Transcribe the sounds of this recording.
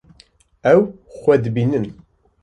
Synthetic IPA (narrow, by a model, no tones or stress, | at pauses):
æw | xʷːæd̪binən